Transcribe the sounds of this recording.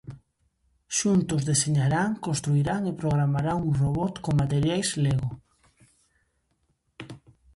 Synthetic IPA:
ʃunt̪ʊzðeseɲaɾaŋkõnst̪ɾuiɾaŋepɾoɣɾamaɾaŋuroβɔt̪koŋmat̪eɾjajsleɣo

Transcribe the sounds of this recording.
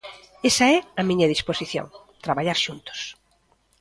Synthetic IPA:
esɐɛɐmiɲɐðisposiθjo̰ŋ | t̪ɾaβaʎaɾʃunt̪o̥s

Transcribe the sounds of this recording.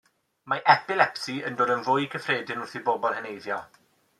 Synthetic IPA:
maʔɛpɪlɛpsiəndoːdənvʊjkʰəfreːdɪnʊrθibɔbɔlˠhənejðjɔ

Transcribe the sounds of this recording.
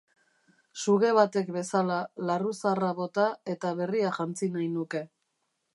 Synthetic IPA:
suɣe̞β̞at̪e̞kbe̞salalarusaraβo̞t̪ae̞t̪aβe̞riaʝant͡sinajnuke̞

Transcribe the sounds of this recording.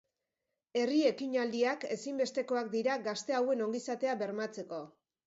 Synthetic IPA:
e̞rie̞kiɲald̪iake̞simbe̞st̪e̞ko̞ak̚d̪iɾaɡast̪e̞awe̞no̞ŋɡisat̪e̞aβe̞ɾmat͡se̞ko̞

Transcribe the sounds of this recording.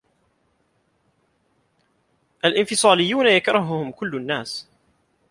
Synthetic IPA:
ʔalʔɪnfɪsˤɑːlɪjːuːnajakɾˤɑɦʊhʊmkʊlːanːaːs

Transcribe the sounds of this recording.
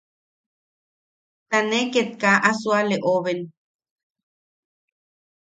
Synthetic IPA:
t̪aneket̪̚kaʔasualeʔoβen

